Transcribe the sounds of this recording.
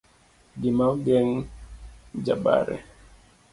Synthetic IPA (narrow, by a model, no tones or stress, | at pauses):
ɡimawɡɛŋ | d͡ʒaba̰ɾɛ̰